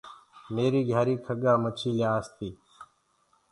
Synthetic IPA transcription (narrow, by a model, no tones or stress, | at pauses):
meːɾiːɡʱjaːɾiːkʰəɠaːmət͡ʃʰiːljaːst̪iː